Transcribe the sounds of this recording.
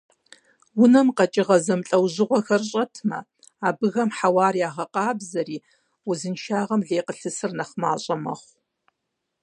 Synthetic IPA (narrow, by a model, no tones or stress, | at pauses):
wʊnɐmqɐt͡ʃʼɪʁɐzɐmɬʼɐwʑɪʁʷɔxɐrɕʼɐtʰmɐ̰ | aːbɨɣɐmħawɑːriaːʁɐqɑːbzɐɾiː | wʊzɨnʃaːʁɐmɮeːqəɬɨsɨrnɐχmaːɕʼɐmɐ̰χʷ